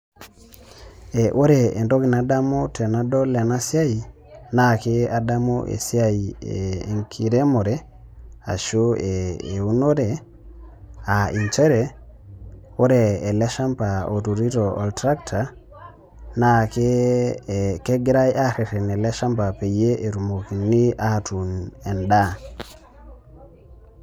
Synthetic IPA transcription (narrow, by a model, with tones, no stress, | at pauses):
e˨ʔo˦ɾe˨e˨nto˦ki˨na˨da˦mo˦te˨na˦do˦le˨na˦sa˦ji˨ | na˦ke˦a˨da˦mo˦ʔḛ˨si˦a˦jiḛ˨ŋkʰi˨ɾe˦mo˨ɾe˨ | a̰˨ʃo˦eː˨u˦no˦ɾe˨ | a˨i˨ɲt͡ʃe˦ɾe˨ | wo˦ɾee˨le˦ʃa˦mpa˨o˨tu˨ɾi˦to˨ʔo̰˨ltɾa˦k̚tʰa˨ | nake | ke˦ɡɾa˦jaɾe˨ɾe˨ne˨le˦ʃa˦mpape˨je˦ʔe˨ɾu˨moki˨nːi˦ʔatune˨nda˦